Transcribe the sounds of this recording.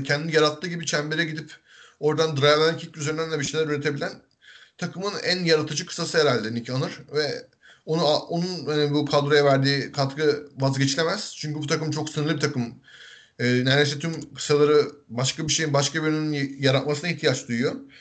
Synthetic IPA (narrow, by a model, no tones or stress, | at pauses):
cʰɛnd̪inijaɾat̪ʰːɯːɟibit͡ʃʰæmbeɾɛɟid̪ip | o̞ɾd̪and̪ɾajalʲæncʰicʲyzeɾinænlʲɛbiʃejlʲæɾyɾet̪ʰe̞bilʲæn | t̪ʰakɯmɯnæ̰njaɾat̪ʰɯd͡ʒɯkʰɯ̥sːasɯɦeɾalʲd̪einicʰianɯɾ̥vɛ | onuaonunhanibukʰalˠd̪ɾojavæɾd̪iːkʰat̪kɯvazɟe̞t͡ʃʰilʲe̞mæz̥t͡ʃʰyɲʲcybut̪ʰakɯmt͡ʃʰo̞ksɯnɯɾlˠɯbit̪ʰakɯm | ɛːnælʲesɛt̪ʰymkʰɯ̥salˠaɾɯbaʃkabiʃe̞jinbaʃkabiønynynjaɾat̪masɯnaiçt̪ʰijat͡ʃd̪ujjo